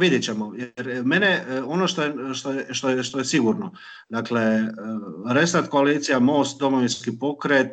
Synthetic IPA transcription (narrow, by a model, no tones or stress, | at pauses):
ʋid̪jet͡ɕe̞mojeɾme̞neo̞noʃt̪ojeʃt̪ojeʃt̪oeʃt̪ojesiɡuɾno | d̪akle̞ | ɾe̞st̪at̪ko̞aliːt̪sijamo̞ːst̪̚d̪o̞moʋinskipo̞kɾet̪